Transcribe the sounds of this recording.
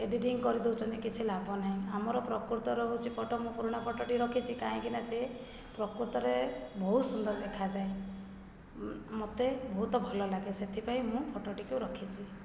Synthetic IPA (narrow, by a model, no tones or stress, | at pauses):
eɖiʈiŋkɔɾid̪ewt͡ʃʰɔnt̪ikit͡ʃʰilabɔnaɦĩamɔɾɔpɾɔkuɾt̪ɔɾɔɦwt͡ʃʰipɔʈɔmũpuɾuɽ̃apʰɔʈoʈiɾɔkʰit͡ʃʰikaɦĩkinase | pɾɔkuɾt̪ɔɾebɔɦut̪sund̪ɔɾɔd̪ekʰad͡ʒae | mot̪ebɔɦut̪ɔbʱɔlɔlaɡeset̪ʰipaĩmũpʰɔʈɔʈikeũɾɔkʰit͡ʃʰi